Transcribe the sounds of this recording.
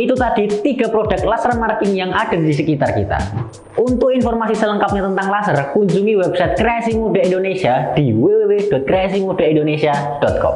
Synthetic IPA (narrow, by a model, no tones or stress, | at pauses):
it̪ut̪adit̪iɡ̥a̤pɾodak̚t̪lasərmarkɪŋjaŋʔad̥a̤dis̬əkit̪arkḭt̪a̰ | unt̪ʊk̚infɔrmasisələŋkap̚ɲat̪ənt̪aŋlasərkuɲd͡ʒuŋiwɛb̥sajt̪̚kɾeasimudaindonesiad̥iwewewed̥ɔt̪̚kɾeasimud̥aindonesia | d̥ɔt̪̚kɔ̰m